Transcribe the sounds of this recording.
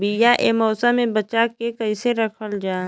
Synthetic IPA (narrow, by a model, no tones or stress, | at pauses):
bijaʔeːmɔːsamẽbɐt͡ʃakekɐiseɾɐkʰəld͡ʒaː